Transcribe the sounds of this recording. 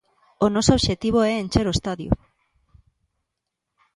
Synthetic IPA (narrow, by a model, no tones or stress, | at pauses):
onɔsooβʃet̪iβ̞oɛent͡ʃeɾoest̪aðjo̰